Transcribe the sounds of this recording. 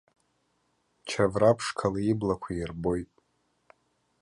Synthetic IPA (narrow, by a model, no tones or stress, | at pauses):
t͡ʃʰavrapʰʂkʰalaiblakʷʰajrbo̞jtʼ